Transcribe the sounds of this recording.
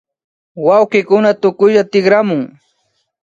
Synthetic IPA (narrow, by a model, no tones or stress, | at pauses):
wawqɪkʊnat̪ʊkʊʃat̪ɪχɾamʊŋ